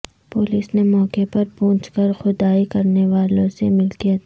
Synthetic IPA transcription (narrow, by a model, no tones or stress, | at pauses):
poːliːsnemɔːkepɐɾpõːt͡ʃkəɾxʊd̪aːikɐɾneʋaːlõsemɪlkijat̪ː